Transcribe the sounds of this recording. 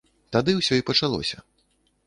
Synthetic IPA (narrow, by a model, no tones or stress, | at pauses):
t̪ad̪ɨwsʲɔipɐt͡ʂalˠɔ̰sʲɐ